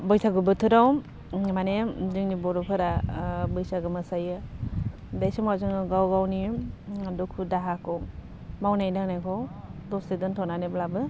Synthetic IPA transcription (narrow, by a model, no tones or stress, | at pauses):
bɔjsʰaɡɯbɯtʰɯɾaw | manezɯŋnibɔɾɔpʰɯɾabɯjsaɡɯmɯsajɯ | dajsɯmazɯŋɯɡawɡawni | dɔkʰudaɦakɔŋ | mawnajnaŋnajkʰɔwdɔstedɯntʰɔnaneblabɯ